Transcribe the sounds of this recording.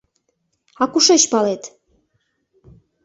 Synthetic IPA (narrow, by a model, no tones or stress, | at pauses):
ɑkuʃeɕpɑlet̪